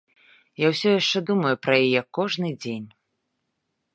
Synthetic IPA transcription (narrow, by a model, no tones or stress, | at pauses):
jawsʲɔjaʂt͡ʂɛd̪umɐjupɾɐjajɛkɔʐnɨd͡zʲenʲ